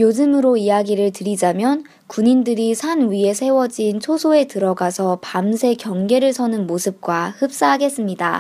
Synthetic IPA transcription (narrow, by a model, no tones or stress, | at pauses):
jod͡ʑɯmɯɾoijaɡiɾɯɭtɯɾid͡ʑamjʌn | kuɲindɯɾisʰanɥie̞sʰe̞wʌd͡ʑint͡ɕʰosʰoe̞tɯɾʌɡasʰʌpamsʰe̞kjʌŋɡe̞ɾɯɭsʰʌnɯnmosʰɯp̚k͈wahɯp̚s͈aɦaɡe̞s͈ɯmɲida̰